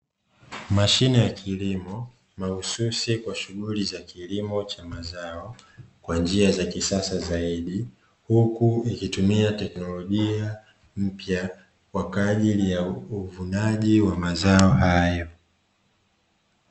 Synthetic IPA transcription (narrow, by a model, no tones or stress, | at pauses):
maʃinijakʰilimɔ | mahususikwaʃuɣulizakilimɔt͡ʃamazaɔkwand͡ʒiazakisasazaiɗi | hukuikitumiatɛknɔlɔʄia | m̩pja | kwakaʄilijauvunaʄiwamazaɔhajɔ